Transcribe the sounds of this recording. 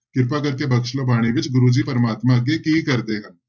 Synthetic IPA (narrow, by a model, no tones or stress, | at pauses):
kɪɾpakɐɾkebɐkʃlobaːɽ̃iʋɪt͡ʃɡʊɾuːd͡ʒipɐɾəmaːt̪mãɡekiikɐɾd̪eɦɐ̃